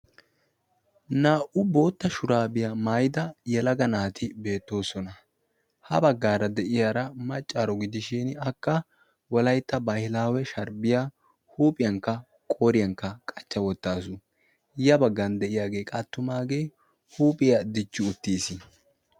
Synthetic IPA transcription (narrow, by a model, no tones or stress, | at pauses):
naːʔʊbo̞ːt̪ːɐʃʊɾaːbɪjɐmaːjd̪ɐjɛlɐɡɐnaːt̪ʰɪbe̞ːt̪ːo̞ːsɔnɐ | hɐbɐɡːaːɾɐd̪ɛʔɪjaɾɐmɐt͡ʃʼːaːɾɔɡɪd̪ɪʃɪnɐkːɐ | wɔlɐjt̪ːɐbɐhɪlaːwɛʃɐɾbɪja | huːpʼɪjɐŋkːɐ | kʼoːɾɪjɐŋkːɐkʼɐt͡ʃːɐwɔt̪ːaːsʊ | jɐbɐɡːɐnd̪ɛʔɪjaːɡe̞ːkʼat̪ːʊmaːɡe̞j | huːpʼɪjɐd̪ɪt͡ʃːʊʊt̪ːiːsɪ